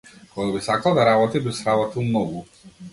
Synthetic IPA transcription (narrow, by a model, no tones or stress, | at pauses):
kɔɡabisakalˠd̪aɾabɔt̪ibisɾabɔt̪ilˠmnɔɡu